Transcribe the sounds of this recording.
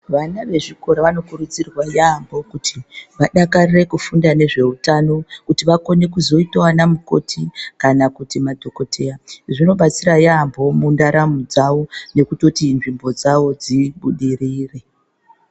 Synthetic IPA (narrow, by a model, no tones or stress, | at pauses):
ʋanaʋe̞ʐiko̞ɾaʋano̞kurud͡zirwajambʱo̞kutʰiʋaɗakarire̞kufundane̞ʐe̞utano̞kutiʋako̞ne̞kuzo̞itowanamuko̞̰tʰikanakutimadʱo̞ko̞tʰe̞jaʐino̞ɓat͡sirajambo̞mundaɾamud͡zaʋo̞ne̞kuto̞tinʐimbo̞d͡zawo̞d͡ziɓuɗiriːre